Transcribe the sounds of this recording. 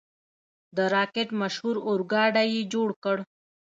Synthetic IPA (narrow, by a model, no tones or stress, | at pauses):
d̪əɾɑːkeʈmɐʃhuɾʊɾɡɑːɖajid͡ʒoɽkəɽ